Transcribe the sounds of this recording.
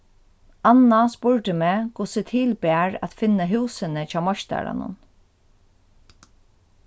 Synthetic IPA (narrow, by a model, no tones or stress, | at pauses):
anːaspʊɹʈɪmɛːkʰʊsɪt̪ʰiːlpɛːɹa̰t̪fɪnːəɦʉːsɪnɪt͡ɕʰaːmɔʃt̪a̰ɹa̰nʊ̰n